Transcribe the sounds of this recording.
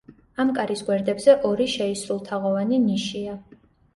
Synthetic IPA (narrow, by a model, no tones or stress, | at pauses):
amkʼaɾisɡwɛɾd̪ɛbzɛʔɔɾiʃɛisɾulˠt̪ʰaʁɔvaniniʃia